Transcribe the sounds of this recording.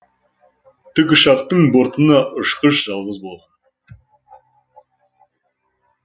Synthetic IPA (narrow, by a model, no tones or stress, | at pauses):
t̪ʰʏkʲɪʃɑq̚t̪əɴbo̞ɾt̪ənɑʔʊʃqəʃʒ̥ɑlˠʁəzbo̞lˠʁɑn